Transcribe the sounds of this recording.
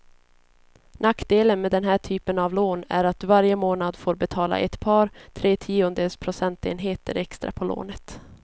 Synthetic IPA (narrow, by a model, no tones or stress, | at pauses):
nakːd̪eːlənmeːd̪ɛnɦæːʈʰyːpənavloːnæ̰ɾat̪̚d̪ɵvaɾjəmoːnad̪foːɾbɛt̪ʰɑːla̰ʔɛ̰t̪pʰɑːɾt̪ʰɾeːt̪ʰiːʊnd̪eːlspʰɾʊsɛnt̪ḛːnɦeːt̪ə̰ɾɛkst̪ɾa̰pʰɔlo̰ːnət̪